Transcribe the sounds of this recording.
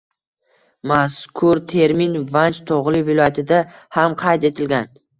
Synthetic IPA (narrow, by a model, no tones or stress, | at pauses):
maskʰʊɾt̪ʰe̞ɾmɪnvant͡ʃt̪ʰɒʁlˠɪvɪlˠɒjat̪ʰɪd̪ahamqʰɑjt̪e̞t̪ʰɪlɡʲan